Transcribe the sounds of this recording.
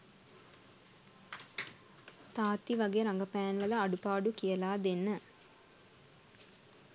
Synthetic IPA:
t̪aːt̪ːiʋɐɡeɾaŋɡəpæːnʋəlɐːɖupaːɖukijəlaːd̪enːə

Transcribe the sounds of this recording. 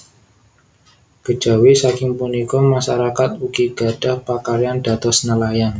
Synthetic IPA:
ɡ̥ə̥d͡ʒ̥a̤wisakɪŋpunikɔmaʃaɾakat̪̚uɡiɡ̥ad̥ahpakaɾianda̤t̪ɔsnəlajan

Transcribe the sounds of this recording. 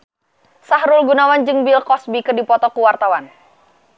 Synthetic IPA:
saɦɾʊlɡunawand͡ʒɨŋbɪlkɔsbikɨrdipɔt̪ɔkuwart̪awan

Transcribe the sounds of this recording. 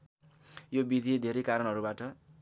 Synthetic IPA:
jobid̪ʱid̪ʱeɾejkaɾʌnɦʌɾubaʈʌ

